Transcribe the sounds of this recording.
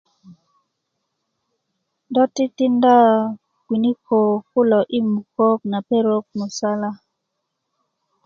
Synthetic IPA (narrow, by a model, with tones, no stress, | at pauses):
dɔ˦ti˦ti˦nda˦ | kwi˨ni˦kʰo˨ku˦lɔ˨ʔi˦mu˨ko˦k̚na˨pe˦ɾo˦k̚mu˨sa˦la˦